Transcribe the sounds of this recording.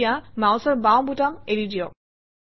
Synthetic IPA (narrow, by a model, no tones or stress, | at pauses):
jamawsɔɹbawbutameɹidijɔ